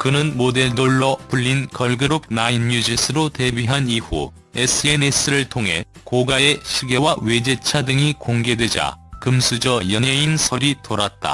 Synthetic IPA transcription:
kɯnɯnmode̞ɭdoɭːʌpuʎːinkʌɭɡɯɾup̚nainmjud͡ʑis͈ʰɯɾote̞biɦaniɸṵ | es͈ʰɯenes͈ʰɯɾɯɭtʰoŋɦe̞̰ | koɡae̞ɕʰiɡjʌwawe̞d͡ʑe̞t͡ɕʰadɯŋikoŋɡe̞dwe̞d͡ʑa̰kɯmsʰud͡ʑʌjʌneinsʰʌɾitoɾat̚t͈a̰

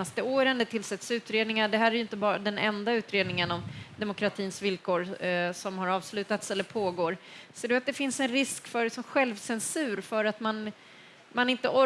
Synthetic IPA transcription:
ast̪əoːɾənd̪ɛt̪ʰɪlsɛt̪sʉ̟ːt̪ɾeːd̪nɪŋaɖɛɦæːɾæɾjɵɪnt̪əbɑːɾad̪ɛnɛ̰nd̪aʉ̟ːt̪ɾeːd̪nɪŋənɔmd̪ɛmʊkɾat̪ʰiːnsvɪlkʰoːɾsɔmhaɾɑːvslʉ̟ːt̪at̪sɛlːəɾpʰoːɡoːɾseːɖɵat̪̚d̪ɛfɪnsɛnɾɪskfœɾɖɛsɔmɧɛlvsɛnsʉ̟ːɾfœɾat̪man | manɪnt̪əʔɔ

